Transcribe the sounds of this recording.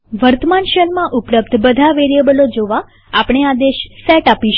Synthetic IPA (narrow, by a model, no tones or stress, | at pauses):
ʋəɾt̪əmanʃəlmãʔʊpləp̚d̪ʱbəd̪ʱaʋeɾijəbəlod͡ʒoʋa | apɳ̃ead̪eʃsɛʈapiʃ